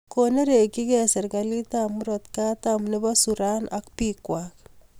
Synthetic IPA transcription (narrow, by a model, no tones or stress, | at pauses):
koneɾekikɛseɾkalitamuɾɔt̪katamnebɔsuɾanʔakpikwak